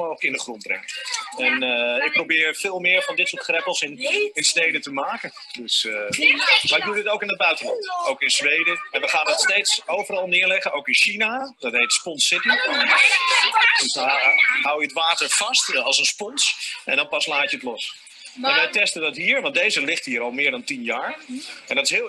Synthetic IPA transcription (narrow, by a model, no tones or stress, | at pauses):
moːχləkɪndəχrɔnt̚brɛ̰ŋəɛnɪk̚prowbɪːɹfɪːlˠmɪːɹvɑndɪtsʊːɹtχrɛpəlˠsɪnɪnstejdətəmaːkə | døs | maːɾɪk̚mudɪtowkɪnəd̚bœɥtəlɑntowkɪnzʋejdəɛnʋəχaːnətstejtsowvəɾɑlˠnɪːɹlɛχənowkɪnʃinadɑtɦejtspɔnsɪti | dsɦawjəətʋaːtəɹv̥ɑstɑlˠsənspɔnsʔɛ̰̃ndɑnpɑslaːt͡ʃəətlɔs | aʋɛjtɛstəndɑtɦiːɹʋɑndejzəlɪχtɦiːɾɑlˠmɪːɹdɑntinjaːɹɛ̰ndɑtɪsɦɪ